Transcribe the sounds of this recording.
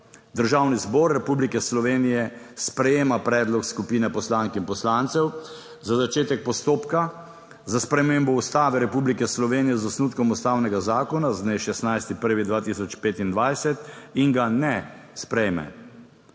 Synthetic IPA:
d̪əɾʒaːwnizbɔːɾːɛpublikɛslɔʋeːnijɛspɾɛjeːmapɾɛːd̪lɔkskupiːnɛpɔslaːŋkinpɔslaːnt̪sɛw | zazat͡ʃeːt̪ɛk̚pɔst̪oːpka | zaspɾɛmembɔust̪aːʋɛɾɛpublikɛslɔʋeːnijɛzɔsnuːt̪kɔmust̪aːwnɛɡazaːkɔnazd̪neʃɛst̪najst̪ipəɾʋid̪ʋaːt̪isɔt͡ʃpeːt̪ind̪ʋajsɛt̪iŋɡanɛ | spɾɛjmɛ̰

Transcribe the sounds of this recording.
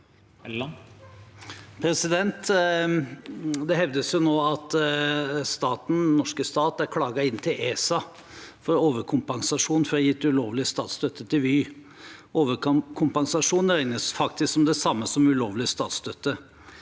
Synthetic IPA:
pʰɾɛsɪd̪ɛnt̪ | d̪ɛhɛʋd̪əsjʊnoːɑt̪ | st̪ɑːt̪n̩nɔʂkəst̪ɑːt̪æɾkʰlɑːɡɑɪnːt̪ʰɪlʔeːsɑ | fɔɾoːʋəɾkʰʊmpɑŋsɑʂuːnfɔɾɔjɪt̪ːʉloːʋlɪəst̪ɑ̰ːt̪st̪œt̪ʰːət̪ʰɪʋyː | oːʋəɾkʰʊmpɑŋsɑʂuːn̩ɾɛɪnəsfɑkt̪ɪsksɔmd̪ɛsɑmːəsɔmʉloːʋlɪəst̪ɑːt̪st̪œt̪ːə

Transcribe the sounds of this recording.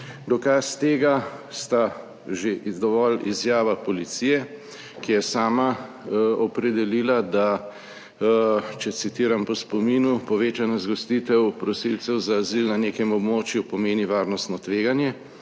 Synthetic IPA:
d̪ɔkast̪eːɡast̪a | ʒed̪ɔʋɔlizjaːʋapɔlit̪sijɛ | kijɛsaːma | ɔpɾɛd̪ɛliːlad̪a | t͡ʃɛt̪sit̪iːɾampɔspɔmiːnupɔʋeːt͡ʃanazɡɔst̪it̪ɛwpɾɔsilt̪sɛwzaːzilnaneːkɛmɔbmoːt͡ʃjupɔmeːniʋaːɾnɔst̪nɔt̪ʋeːɡanjɛ

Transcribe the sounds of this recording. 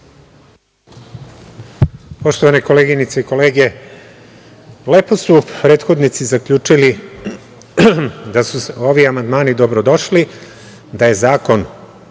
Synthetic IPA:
po̞ʃt̪oʋaneko̞le̞ɡinit̪seiko̞leːɡe̞ | le̞po̞supɾeːt̪xo̞d̪nit̪sizakʎʲuːt͡ʂili | d̪asuseo̞ʋiamand̪maːnid̪o̞bɾod̪o̞ʃli | d̪aje̞zaːko̞n

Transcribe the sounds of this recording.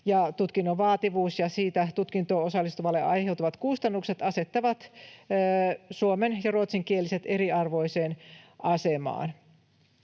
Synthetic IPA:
jɑt̪ut̪kinːoʋɑːt̪iʋuːsjɑsiːt̪æt̪ut̪kint̪oosɑlːist̪uʋɑlːeʔɑjhe̞wt̪uʋɑt̪kust̪ɑnːukse̞t̪ɑse̞t̪ːɑʋɑt̪ː | suomenjɑruot̪siŋkielise̞t̪eɾiɑrʋo̞iseːnɑsemɑ̰ːn

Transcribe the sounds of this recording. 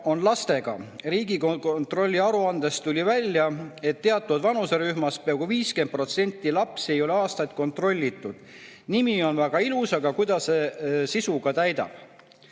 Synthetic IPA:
o̞nlɑst̪e̞ɡ̥ɑ̰riːɡikont̪ro̞lʲːiɑɾuɑnd̪̥e̞st̪ːulʲivælʲjɑe̞t̪ːe̞ɑt̪ːˑud̪vɑnuseɾyhmɑspeɑɡ̥uviːske̞nd̪̚pro̞t̪se̞nʲt̪ːˑilɑpse̞jo̞leɑːst̪ɑjt̪̚ˑko̞nt̪ro̞lʲːit̪ːˑud̪̥ | nimio̞nvæɡ̥ɑilusɑɡ̥ɑkujd̪̥ɑssesisuɡ̥ɑt̪æjd̪ɑ̰b̥

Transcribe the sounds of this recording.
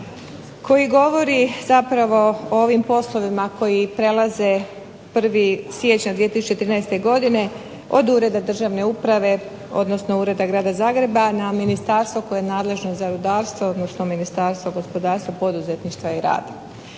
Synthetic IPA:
kʰo̞jiɡo̞ʋo̞ɾiz̥apɾaʋo̞ooʋimpo̞slˠo̞ʋimako̞jipɾe̞lˠaze | pr̩ʋisje̞t͡ɕɲad̪ʋijet̪isut͡ɕt͡ʃe̞t̪ɾiːnajst̪e̞ɡo̞d̪ine̞ | o̞d̪uːɾe̞d̪ad̪r̩ʒaʋne̞upɾaʋe̞ | o̞̰d̪nosno̞uːɾe̞d̪aɡɾaːd̪azaːɡɾe̞banaminist̪aːɾst̪ʋo̞ko̞jeenaːd̪le̞ʒnozaɾud̪aːɾst̪ʋood̪nosno̞minist̪aːɾst̪voɡo̞spo̞d̪aːɾst̪ʋapo̞d̪uze̞t̪niʃt̪ʋaiɾa̰ːd̪a

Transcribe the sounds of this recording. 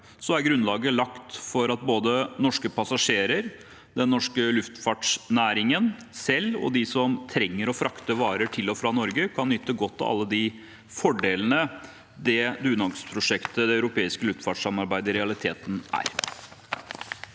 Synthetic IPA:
sɔæɾɡɾʉnlɑːɡəlɑkt̪fɔɾɑt̪̚boːd̪ənɔʂkəpʰɑsɑʂeːɾəɾ | d̪ɛnːɔʂkəlʉft̪fɑːʈʂnæːɾɪŋən | sɛlːɔ̰d̪ɪsɔmt̪ʰɾɛŋːəɾɔfɾʔɑkt̪əʋɑːɾəʈʰɪlːɔfɾɑnɔɾɡəkʰɑnːʏt̪ːəɡɔt̪ʰːɔ̰ɑ̰lːəd̪ɪ | fɔɖeːlənə | d̪ɛd̪ʉːnɑɡspʰɾʊʂɛkt̪əd̪ɛɑʉɾʊpʰeːɪskəlʉft̪fɑːʈʂɑmɑɾbæɪd̪əɾɛɑlɪt̪ʰeːt̪n̩ʔæ̰ːɾ

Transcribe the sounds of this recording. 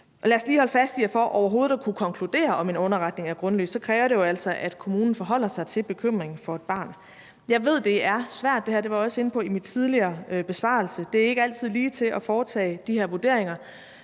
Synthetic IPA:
ʔɒ̽læɐsliːhɒ̽lfæsd̥ijɑɪfɒ̰ʔɒʊɐɦo̝ːð̩ˠɒkʰukʰɒ̽ŋkʰlud̥e̝̰ːɐɒ̽me̝nɔ̽nɐʁɑ̈d̥ne̝ŋæɐɡ̥ʁɔ̽nly̰ːsɒ̽kʰʁɛːʊɐɾe̝jo̝æl̰sɒʔæd̥kʰo̝muːnn̩fɒɦɒ̽l̰ɐsɑ̈ɪt͡sʰe̝lb̥e̝kʰøm̰ʁeŋn̩fɒ̽e̝d̥̚b̥ɑ̈ːn | jɑ̈ɪʋe̝ð̞̰ˠd̥e̝æɐsʋæɐ̰d̥e̝hæɐd̥e̝ʋɑ̈ɒ̽səe̝n̩pʰɒ̽imid̥t͡sʰiðˠliɐːb̥e̝sb̥ɑ̰̈ːl̩səd̥e̝æɐe̝ɡ̥əæl̰t͡sʰið̞̰ˠliːt͡sʰe̝lʔɒ̽fɒːt͡sʰɛ̰ːɪd̥iheɐʋuɐd̥e̝ɐ̰e̝ŋɐ

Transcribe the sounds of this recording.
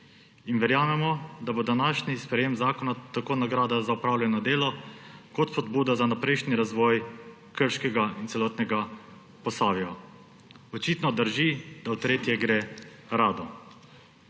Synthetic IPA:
inʋɛɾjaːmɛmɔd̪abod̪anaːʃnispɾɛjeːmzaːkɔnat̪akoːnaɡɾaːd̪azaupɾaːwlʲjɛnɔd̪eːlɔkɔt̪spɔd̪buːd̪azanapɾɛjʃniɾazʋɔːj | kəɾʃkɛɡaint̪sɛlɔːt̪nɛɡa | pɔsaːʋia | ɔt͡ʃiːt̪nɔd̪əɾʒid̪aut̪ɾeːt̪jɛɡɾe | ɾaːd̪ɔ

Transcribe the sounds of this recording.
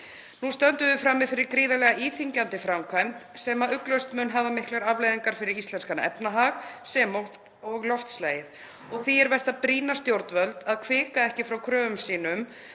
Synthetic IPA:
nust̪œnt̪ʏðɪfɾaːmːɪðfɪɾɪɾkɾiːðalɛɣaʔiːθiɲcant̪ɪfɾamkʰajm̥t̪sɛːmaðʏklœɥst̪mʏnɦaːvamɪhklaɾavlejðiŋkaɾ̥fɪɾɪɾist̪lɛnskana̰ʔɛpnaɦaxsɛmɔ | ɔɣlɔft̪sleːjɪθ | ɔɣθiɛɾvɛr̥t̪apɾiːnast̪jowɾt̪vœlt̪aðkʰvɪːkaɛhcɪfɾawkʰɾœːʏmsiːnʏm

